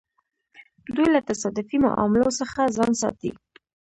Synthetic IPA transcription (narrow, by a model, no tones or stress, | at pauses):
d̪ujlat̪asɑd̪ʊfima̰ʔɑ̰mɪlosəxazɑnsɑ̰t̪ḭ